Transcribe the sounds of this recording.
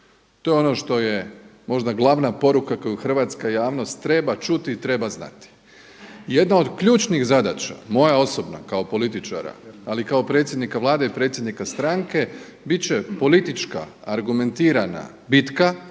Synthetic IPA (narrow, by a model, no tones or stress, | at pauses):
t̪o̞jeono̞ʃt̪o̞je̞mo̞ʒd̪aɡlˠaʋnapo̞ɾukakojuxr̩ʋat̪skajaːʋno̞st̪ːɾe̞bat͡ʃut̪iːt̪ɾe̞bazna̰t̪i̥ | ije̞d̪nao̞d̪kʎuːt͡ʃnixzad̪at͡ʃa̰mo̞jao̞so̞bna̰kao̞po̞lit̪it͡ʃa̰ɾa̰alikao̞pɾe̞t̪sjed̪nikaʋlˠaːd̪aipɾe̞t̪sjed̪nikast̪ɾaŋke̞ | bit͡ɕe̞po̞lit̪it͡ʃka̰aɾɡume̞nt̪iːɾana̰ | bit̪ka